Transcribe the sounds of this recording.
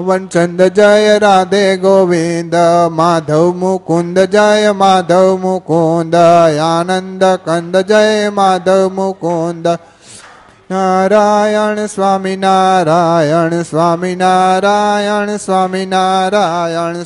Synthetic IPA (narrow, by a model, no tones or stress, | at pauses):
ʋɐnt͡ʃɐnd̪ɾɐd͡ʒɐjɐɾaːd̪eɡoːʋind̪maːd̪ʱɐʋmukund̪ɐd͡ʒajɐmaːd̪ʱɐʋmukond̪ɐjaːnɐnd̪ɐkɐnd̪ɐd͡ʒɐjjmaːd̪ʱɐʋmukond̪ɐ | naːɾaːjɐɳsʋaːminaːɾajɐɳsʋaːminaɾaːjɐɳsʋaːminaːɾajɐɳ